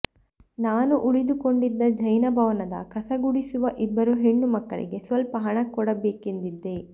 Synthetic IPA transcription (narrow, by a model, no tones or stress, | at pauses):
naːnuʔuɭid̪uko̞ɳɖid̪ːɐd͡ʒɐjnɐbʱɐʋɐnɐd̪ɐ̰kɐsɐɡuɽisuʋɐʔibːɐɾuɦeɳːumɐkːɐ̰ɭḭɡe̞sʋɐlpɐɦɐɳɐkːɔɽɐbeːkend̪id̪ːe̞